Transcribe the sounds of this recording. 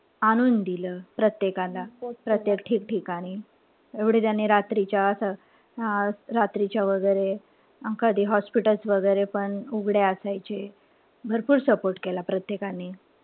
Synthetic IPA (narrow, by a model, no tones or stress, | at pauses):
añuːnd̪iləːpɾət̪jekalapɾət̪jekʈʰiːkʈʰiːkaɽ̃i | eʋɽ̤et̪janːiɾat̪ɾit͡ɕjaːsa | ɾat̪ɾit͡ɕjaʋəɡəjɾe | əkəd̪ʱiːɦɔspiʈəlsʋəɡəjɾepəɳuɡɽeəsajt͡ɕe | bʱəɾpuːɾsəpoɾʈkelapɾət̪jekanːi